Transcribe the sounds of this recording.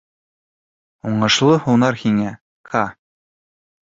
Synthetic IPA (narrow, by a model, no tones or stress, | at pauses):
uɴɤ̆ʃlˠɤhunɑɾhiŋæ | qʰɑ